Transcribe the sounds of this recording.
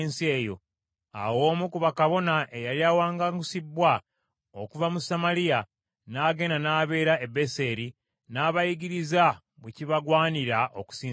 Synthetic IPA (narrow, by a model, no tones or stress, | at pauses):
nsie̞ːjo̞̰ | a̰wo̞ːmukuβakaβo̞naʔe̞jaliawaːŋɡaɡusibːwa | okuvamusamalija | naːɡe̞ːnanaːβe̞ːɾaebe̞se̞ɾi | naːβajiɡiɾiza | βweciβaɡwaːniɾaʔoku̥siː